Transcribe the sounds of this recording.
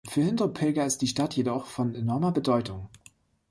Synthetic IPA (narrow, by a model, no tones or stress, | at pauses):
fyːɐhɪndopʰɪlɡɐɪst̚d̥iːʃtatjedɔχfɔnenɔɐmɐbədɔʏtʊŋ